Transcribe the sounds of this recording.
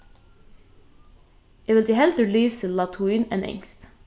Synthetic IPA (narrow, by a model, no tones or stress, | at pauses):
ɛʋɪld̪iːhɛld̪əlyːsəllɑːt̪ʰuiːnɛ̰ːnɛ̰ŋst̪